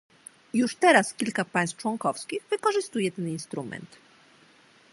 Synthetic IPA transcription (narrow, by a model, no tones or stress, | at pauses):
juʂt̪ɛɾaskʲilkapaj̃st̪ft͡ʂwɔŋkɔfskʲiɣvɘkɔʐɘst̪ujɛt̪ɛninst̪ɾumɛ̰nt̪